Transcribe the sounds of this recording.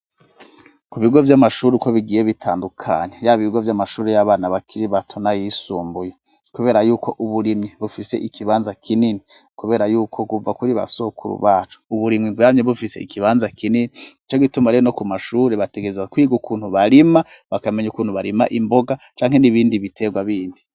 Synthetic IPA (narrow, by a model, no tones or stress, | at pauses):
kuβiɡo̞vjamaʃuːɾikoβiɡije̞βitʰaːndukʰa̰ɲejaβiiɡovjamaʃuːɾejaβaːnaβakʰiɾiβatʰonajisuːmbuje | kuβe̞ːɾajuːkʰo̞ʔuβuɾimŋiβufise̞̰ʔikʰiβaːnzakʰinini | kuβeːɾajuːkʰo̞kuvakuɾiβa̰sokʰṵɾṵβaːt͡ʃu̥uβuɾimŋiamɲeβufiseḭkʰiβaːnzakininiit͡ʃo̞ɡitumaɾeonokumaʃuɾeβate̞ɡezakwiːɡukʰuːn̥huβaɾimaβakameɲukuːn̥huβaɾima̰ʔimboɡat͡ʃaːŋɦe̞niβiːndiβitʰe̞ɡwaβiːndi